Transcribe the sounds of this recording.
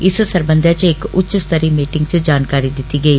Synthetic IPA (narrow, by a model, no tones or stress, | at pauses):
ɪssəɾbə̃nd̪ʱjat͡ʃɪkʊtːʃst̪əɾiːmiːʈɪŋɡt͡ʃəd͡ʒaːnkaːɾid̪ɪt̪iːɡɐiː